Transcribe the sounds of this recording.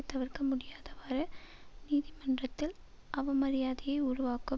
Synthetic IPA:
ɪt̪ːɐʋɐɾkɐmʊɽɪjaːðɐʋaːɾɐ | niːðɪmɐndrɐt̪ːɪl | ʔɐʋɐmɐɾɪjaːðɪjɐɪʊɾʊʋaːkɐ

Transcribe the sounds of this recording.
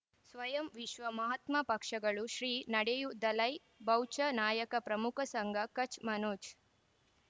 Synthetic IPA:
sʋɐjɐmʋiʃʋɐmɐɦɐt̪mɐpɐkʂɐɡɐɭuʃɾiːnɐɽejud̪ɐlɐj | bɐwt͡ʃɐnaːjɐkɐpɾɐmukʰɐsɐŋɡʱɐkɐt͡ʃmɐnoːt͡ʃ

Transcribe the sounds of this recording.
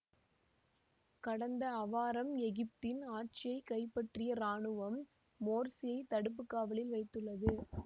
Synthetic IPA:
kɐɽɐnd̪ɐːʋaːɾɐmɛɣɪp̚t̪ɪnaːʈ̚t͡ʃɪjɐɪkɐɪpːɐʈrɪjɐɾaːɳɯʋɐmː | oːɾsɪjɐɪt̪ɐɽɯp̬ːɯkːaːʋɐɭɪlʋɐɪt̪ːɯɭːɐðɯ

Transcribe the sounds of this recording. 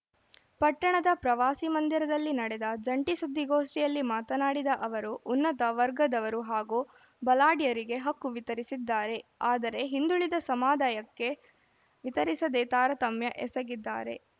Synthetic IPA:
pɐʈːɐɳɐd̪ɐpɾɐʋaːsimɐnd̪iɾɐd̪ɐlːinɐɽed̪ɐd͡ʒɐɳʈisud̪ʱːiɡoːsʈijɐlːimaːt̪ɐnaːɽid̪ɐʔɐʋɐɾuʔːnːɐt̪ɐʋɐɾɡɐd̪ɐʋɐɾuɦaːɡuː | bɐlaːɽijɐɾiɡe̞ɦɐkːuʋit̪ɐɾisid̪ːaːɾe̞aːd̪ɐɾe̞ɦind̪uɭid̪ɐsɐmaːd̪aːjɐkːe̞ | ʋit̪ɐɾisɐd̪et̪aːɾɐt̪ɐmjɐʔɛsɐɡid̪ːa̰ːɾe̞̰

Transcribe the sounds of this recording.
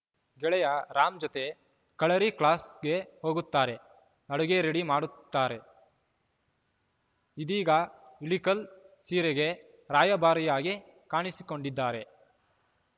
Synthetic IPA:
ɡɛɭɛjɐɾaːmd͡ʒot̪e̞ | kɐɭɐɾikɭaːsɡe̞ho̞ːɡut̪ːaːɾe̞ | ɐɽuɡeɾeɽimaːɽut̪ːaːɾe̞ | id̪iːɡɐilikɐlsiːɾeɡe̞ | ɾaːjɐbaːɾijaːɡi | kaːɳisi̥ko̞ɳɖid̪ːaːɾe̞

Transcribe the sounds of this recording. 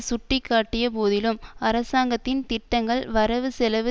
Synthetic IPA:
sʊʈːɪkːaːʈːɪjɐpoːðɪlɯmɐɾɐsaːŋɡɐt̪ːɪnt̪ɪʈːɐŋɡɐɭʋɐɾɐʋɯsɛlɐʋɯ

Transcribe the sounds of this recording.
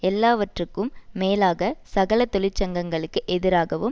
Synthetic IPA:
ɛlːaːʋɐʈrɯkːɯmːeːlaːɣɐsɐɣɐlɐt̪ːɔɭɪt͡ʃːɐŋɡɐŋɡɐɭɯkːɯʔɛðɪɾaːɣɐʋɯm

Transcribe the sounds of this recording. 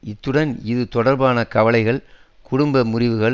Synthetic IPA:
ɪt̪ːɯɽɐnɪðɯt̪ɔɽɐɾbaːnɐkɐʋɐɭɐɪɣɐɭ | kʊɽʊmbɐmʊrɪʋɯɣɐɭ

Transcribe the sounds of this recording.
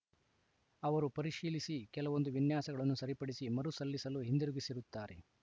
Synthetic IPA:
ɐʋɐɾupɐɾiʃiːlisikɛlɐʋo̞nd̪uʋinjaːsɐɡɐɭɐnːusɐɾipɐɽisimɐɾusɐlːisɐluɦind̪iɾuɡisiɾut̪ːaːɾe̞̰

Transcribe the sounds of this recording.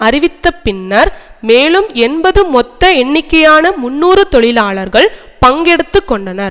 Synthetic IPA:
ɐɾɪʋɪt̪ːɐpːɪnːɐɾmeːlɯmɛnbɐðɯmɔt̪ːɐɛɳːɪkːɐjaːnɐmʊnːuːrɯt̪ɔɭɪlaːɭɐɾɣɐɭ | pɐŋɡɛɽɯt̪ːɯkːɔɳɖɐnɐɾ

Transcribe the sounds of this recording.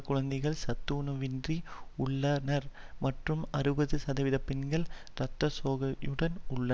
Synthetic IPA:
kːʊɻɐnd̪ɛɪɣɐɭsɐt̪ːuːnɐʋɪndriʊɭːanɐɾmɐʈrɯmɐrɯbɐðɯsɐðɐʋɪðɐpːɛnɡɐɭɾɐt̪ːɐsoːɣɐjɯɽɐnʊɭːɐ

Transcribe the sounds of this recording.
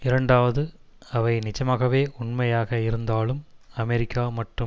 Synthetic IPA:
ɪɾɐɳɖaːʋɐðɯ | ɐʋɐɪnɪt͡ʃːɐmaːɣɐʋeːʔʊɳmɐjaːɣɐɪɾɯnd̪aːlɯmɐmɛɾɪkʰːaːmɐʈrɯ

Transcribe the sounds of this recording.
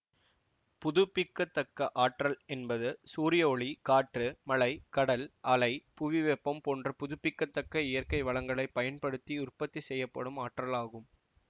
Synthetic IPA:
pʊðʊpːɪkːɐt̪ːɐkːɐʔaːʈrɐlɛnbɐðɯsuːɾɪjɐɔɭikaːʈrɯmɐɭɐɪkɐɽɐlɐlɐɪpʊʋɪʋɛpːɐmpoːndrɐpʊðʊpːɪkːɐt̪ːɐkːɐɪjɐrkɐɪʋɐɭɐŋɡɐɭɐɪpːɐjɐnpɐɽɯt̪ːiʊrpɐt̪ːisɛjːɐpːɐ̰ɽɯmaːʈrɐlaːɣɯm

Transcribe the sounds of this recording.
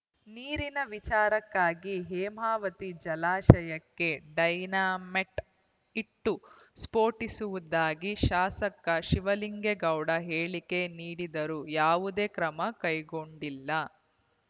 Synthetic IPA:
niːɾinɐʋit͡ʃaːɾɐkːaːɡiɦeːmaːʋɐt̪id͡ʒɐlaːʃɐjɐkːe̞ɖɐjnaːmeʈ | iʈːu | spo̞ːʈisuʋud̪aːɡiʃaːsɐkːɐʃiʋɐliŋɡeɡɐwɽɐɦeːɭike̞niːɽid̪ɐɾujaːʋud̪e̞ːkɾɐmɐkɐjɡo̞ɳɖilːɐ

